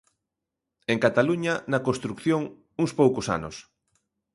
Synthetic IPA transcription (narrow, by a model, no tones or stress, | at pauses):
eŋkat̪aluɲɐnɐkõst̪ɾukθjoŋ | uŋspowkʊsa̰nʊs